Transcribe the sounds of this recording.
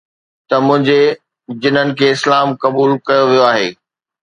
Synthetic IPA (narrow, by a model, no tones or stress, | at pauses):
t̪ɐmʊ̃ɦɪ̃ɲd͡ʑe | d͡ʑɪnənɪ̆kʰeːɪslaːmkɐbuːlkɐjoʋijoaːɦeː